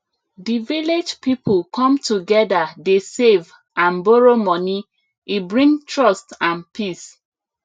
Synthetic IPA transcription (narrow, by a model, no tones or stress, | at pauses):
diviled͡ʒpipʰulkʰɔ̃mtʰuɡɛdadesev | ãnbɔɹomɔni | ibɹĩŋtʰɹɔstãnpʰis